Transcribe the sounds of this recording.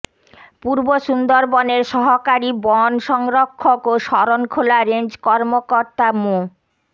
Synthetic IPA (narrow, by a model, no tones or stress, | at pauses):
puɾboʃund̪oɾbɔneɾʃɔɦokaɾibɔnʃɔŋɾokʰːokoʃɔɾonkʰolaɾend͡ʑkɔɾmokoɾt̪amo